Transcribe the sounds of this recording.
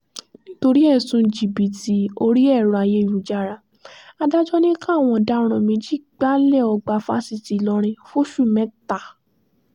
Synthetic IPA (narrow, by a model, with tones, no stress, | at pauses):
nĩ˦to˧ɾi˦ɛ˦˨sũ˧˦d͡ʒi˨bi˨ti˧o˧ɾi˦ɛ˦˨ɾũ˨a˨˧je˧˦˨jũ˨d͡ʒa˧˨ɾa˧ | a˧da˦d͡ʒɔ˦nĩ˦kã˦˨w̃ɔ̃˧da˦ɾ̃ɔ̃˧˨mĩ˧d͡ʒi˦ɡ͡ba˦lɛ˦˨ɔ˧ɡ͡ba˧fa̰˦si˧˨ti˨˦lɔ˧ɾ̃ĩ˧fo˦ʃu˦˨mɛ̃˨˦ta˨